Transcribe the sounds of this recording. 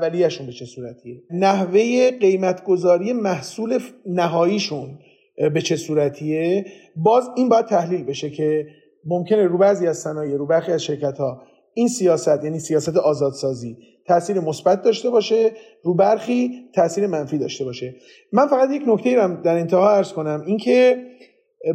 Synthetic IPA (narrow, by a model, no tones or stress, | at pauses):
ævælijæʃunbe̞t͡ʃʰe̞suːɾæt̪ʰienæɦve̞jeɢe̞jmæt̪ʰɡo̞zɒːɾije̞mæhsuːle̞næɦɒːiːʃun | be̞t͡ʃʰe̞suːɾæt̪ʰie | bɒːziːnbɒːjæd̪̚t̪ʰæhliːlbe̞ʃe̞cʰe̞ | momcʰe̞ne̞ɾuːbæziːæzsænɒːjeɾuːbæɾxiːæzʃe̞ɾcæt̪hɒː | insijɒːsæt̪ʰjæːniːsijɒːsæt̪ʰeʔɒːzɒːd̪sɒːziː | t̪ʰæʔsiːɾe̞mo̞sbæt̪̚ʰd̪ɒːʃt̪e̞bɒːʃe̞ | ɾuːbæɾxiːt̪ʰæʔsiːɾe̞mænfiːd̪ɒ̰ːʃt̪e̞bɒːʃe̞ | mænfæɣæt̪je̞cnoct̪e̞jiːɾæmd̪æɾe̞nt̪ʰehɒːæɾz̥ko̞næmincʰe